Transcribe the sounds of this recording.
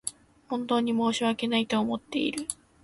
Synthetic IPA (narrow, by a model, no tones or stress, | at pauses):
hõ̞nt̪o̞ːɲ̟imo̞ːɕiβake̞nait̪o̞ːmo̞t̪ːe̞̰ḭɾɯ̟